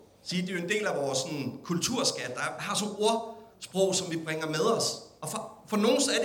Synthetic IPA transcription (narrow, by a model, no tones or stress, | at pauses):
siːd̥e̝jo̝e̝nd̥e̝̰ːlæʋɒːsːɒ̽nkʰult͡sʰuɐ̰sɡ̥æd̥d̥ɑ̥̈hɑ̈sɒno̝ɐ̰sb̥ʁɔʊ̰sɒ̽mʋib̥ʁɛŋɐmeð̞ˠɒ̽sɒ̽fɒ̽fɒ̽no̝ːn̩sæɐd